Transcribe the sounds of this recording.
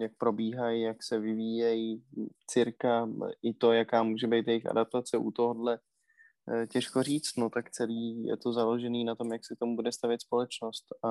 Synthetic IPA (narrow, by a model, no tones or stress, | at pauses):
jak̚pɾo̞biːɦajijaksɛvɪviːjɛjit͡sɪɾkaʔɪt̪o̞jakaːmuːʒɛbejt̪jɛjɪxʔa̰dap̚t̪at͡sɛʔut̪o̞ɦo̞dlɛ | cɛʃko̞riːt͡st̪no̞t̪akt͡sɛliːjɛ̰t̪o̞zalo̞ʒɛniːnat̪o̞mjaksɛk̚t̪omubudɛst̪avjɛt̪spo̞lɛt͡ʃno̞st̪a